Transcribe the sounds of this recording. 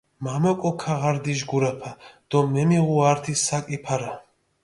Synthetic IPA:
mamɔkʼɔkʰaʁaɾd̪iʒɡuɾapʰad̪̥ɔmɛmiʁuaɾt̪ʰisakʼipʰaɾa

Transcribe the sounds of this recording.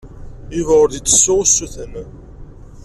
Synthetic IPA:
ivʁʊɾðit̪ːə̥sːʊʁusːuθən

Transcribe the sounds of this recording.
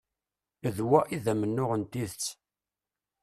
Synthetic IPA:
ðwæʔiðæmənːʊʁənt̪iθt͡sː

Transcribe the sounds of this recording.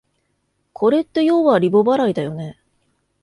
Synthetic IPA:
kʰo̞ɾe̞t̪ːe̞jo̞ːβaɾʲibo̞baɾaid̪ajo̞ne̞

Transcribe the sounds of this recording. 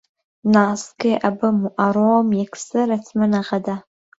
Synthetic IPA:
naːskejʔabɨmuʔaɾoːmjɛkʰsɨɾɐtʰmɨnaʁɐdaː

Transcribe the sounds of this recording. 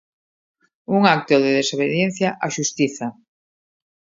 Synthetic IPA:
uŋak̚t̪oðeðesoβ̞eðjenθjaʔaʃust̪iθa

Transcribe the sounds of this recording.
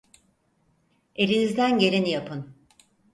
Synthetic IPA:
e̞ɾinizd̪ænɟe̞ɾenijapʰɯn

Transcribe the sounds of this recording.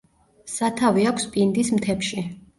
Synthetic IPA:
sat̪ʰaviakʷʰspʼind̪ismt̪ʰɛpʃi

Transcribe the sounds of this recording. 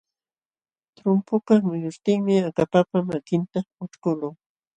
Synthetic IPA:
t̪ɾʊmpʊkaχmʊjʊst̪ɪŋmɪakapapamakɪnt̪aʊt͡ʃkʊlʊŋ

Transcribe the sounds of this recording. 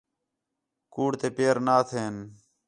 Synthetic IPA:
kuːɽt̪eːpeːɾnaːt̪ʰeːn

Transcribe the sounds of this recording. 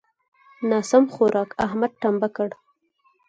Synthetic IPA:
nɑsamxoɾʔɑkahmad̪̚ʈambakəɽ

